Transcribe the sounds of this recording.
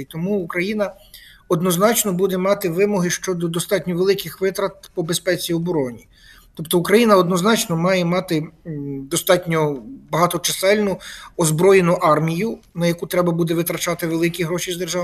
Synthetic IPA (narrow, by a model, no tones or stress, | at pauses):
t̪ɔmuːkɾɐjinɐ | ɔd̪nɔznɑt͡ʃnɔbud̪ɛmɑt̪ɪʋɪmɔɦɪʃt͡ʃɔd̪ɔd̪ɔst̪ɑtʲnʲɔʋelˠɪkɪxʋɪt̪ɾɐt̪̚pɔbespɛt͡sʲiɔbɔɾɔnʲi | t̪ɔpt̪ɔukɾɐjinɐɔd̪nɔznɑt͡ʃnɔmɑjɛmɑt̪ɪd̪ɔst̪ɑtʲnʲɔbɐɦɑt̪ɔt͡ʃɐsɛlʲnʊɔzbɾɔjenʊʔɑrmʲijʊnɐjɐkut̪ɾɛbɐbud̪ɛʋɪt̪ɾɐt͡ʃɑt̪ɪʋelˠɪkʲiɦɾɔʃʲizd̪erʒɑʋ